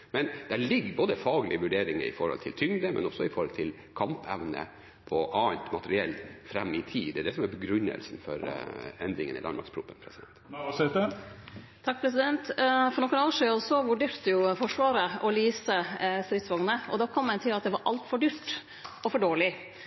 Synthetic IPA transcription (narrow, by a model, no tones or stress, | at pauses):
mɛnd̪æɭɪɡːəboːd̪əfɑːɡəlɪəʋʉɖeːɾɪŋə̰ɾɪ̰fɔɾhɔ̰lt̪ʰɪlt̪ʰʏŋd̪əmʔɛ̰nɔsːɔɪfɔɾhɔlt̪ʰɪl | kʰɑmpɛʋnə̰ | pʰɔʔɑːnt̪mɑt̪əɾɪɛlt̪fɾɛmːɪt̪ʰiːd̪ɛɖ̪ɛsɔmæbəɡɾʉnːə̰lsn̩fɔɾɛnd̪ɾɪŋənɪ̰lɑnmɑ̰ɾkspʰɾʊpːənpʰɾɛsɪd̪ɛnt̪sɛt̪ə | t̪ʰɑk̚pʰɾɛs̬ɪd̪ɛnt̪fɔɾnɔkːənɑːʋəʂiːɔsɔʋʉɖeːɾt̪əjʊfɔʂʋɑːɾəɔliːsəst̪ɾɪt̪sʋɑŋnəɔd̪ɑːkʰɔmːɛnt̪ʰɪlɑt̪̚d̪ɛʋɑɾʔɑlt̪fɔɖyːɾʈ | ɔfɔɖoːɭɪ